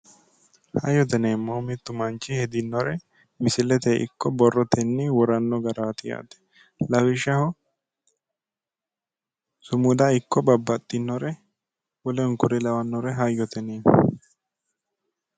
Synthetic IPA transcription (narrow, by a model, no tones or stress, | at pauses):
hɐjːɔt̪ɛneːmːoːmɪt̪ːʊmɐnt͡ʃːɪhɛd̪ɪnːɔɾɛ | mɪsɪlɛt̪eʔɪ̰kːɔbɔrːɔt̪ʰɛnːɪwɔɾɐnːɔɡɐɾaːt̪ɪja̰ːd̪ɛ̥ | lɐwɪʃɐhɔ | sʊmʊd̪ɐɪkːɔbɐbːɐt̪ʼːɪnːɔɾɛ | wɔlɛŋkʊɾɛlɐwɐnːɔɾɛɦɐjːɔt̪ɛneː